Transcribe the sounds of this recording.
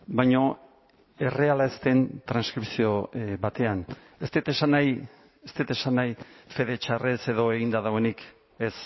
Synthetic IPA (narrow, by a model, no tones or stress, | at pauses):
bajɲo̞ | e̞re̞alaest̪e̞nt̪ɾanskɾipsio̞βat̪e̞an | e̞st̪et̪e̞sanːaj | est̪et̪e̞sanːajfe̞ðe̞t͡ʃarese̞ðo̞e̞ɣind̪aðawe̞nik | e̞s